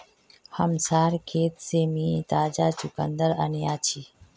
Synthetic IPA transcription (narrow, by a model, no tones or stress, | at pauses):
həmsaːɾkʰeːt̪seːmĩːt̪aːd͡ʒaːt͡ʃʊkənd̪əɾə̰nijaːt͡ʃʰiː